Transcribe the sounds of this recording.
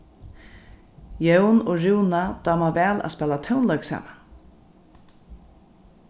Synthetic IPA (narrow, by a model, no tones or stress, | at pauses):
jœwnoːɾuwnad̪̥ɑːmavɛːla̰spɛːlat̪ʰœwnlœɥksa̰ːma